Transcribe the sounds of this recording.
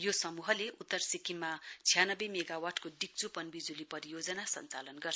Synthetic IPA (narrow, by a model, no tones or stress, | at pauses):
josʌmuɦʌleʔut̪ːʌrsikimːat͡sʰijanʌbemeɡawaʈʰkoɖik̚t͡supʌnbid͡zulipʌɾijod͡zʌnasʌ̰nt͡sa̰lʌnɡʌrʰ